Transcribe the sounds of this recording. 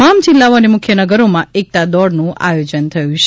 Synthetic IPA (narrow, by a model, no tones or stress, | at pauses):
amd͡ʒɪlːaoənemʊkʰjənəɡəɾomãek̚t̪ad̪ɔɽnũʔa̰jod͡ʒənt̪ʰəjũt͡ʃʰ